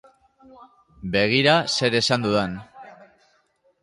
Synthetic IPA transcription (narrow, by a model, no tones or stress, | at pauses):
be̞ɣ̞iɾase̞ɾe̞sand̪uðen